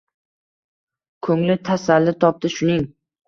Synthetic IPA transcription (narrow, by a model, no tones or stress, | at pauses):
kʰɵŋlɪt̪ʰasalːɪt̪ʰɒp̚t̪ɪʃʊnɪŋ